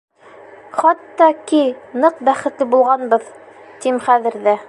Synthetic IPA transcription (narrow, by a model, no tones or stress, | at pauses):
χɑt̪ːɑkinɤqbæχɘ̆t̪lɘbulˠʁɑnbɤð | t̪imχæðɘ̆ɾðɘ